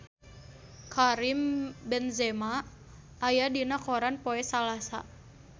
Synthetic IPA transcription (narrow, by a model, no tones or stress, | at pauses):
kaɾimbɛnzɛma | ʔːjadinakoɾanpoɛsalasa̰